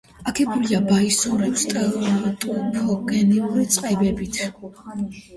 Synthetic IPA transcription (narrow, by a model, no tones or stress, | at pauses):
akʰɛbuliabaisuɾɛpst̪ʼɛlt̪ʼupʰɔɡɛnɛuɾit̪sʼqʼɛbɛbit̪ʰ